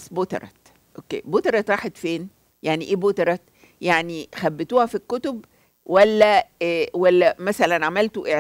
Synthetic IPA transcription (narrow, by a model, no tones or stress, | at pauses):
sbot̪ɑ̰ɾˤɑ̰ | ʔokːḛːbot̪ɑɾˤɑt̪ɾˤɑːħet̪feːn | jaʕniʔeːbot̪ɑɾˤɑ | jaʕnixæbːet̪uːhæfikːot̪ob | wælːæwælːæmæsælænʕamælt̪oʔeʕ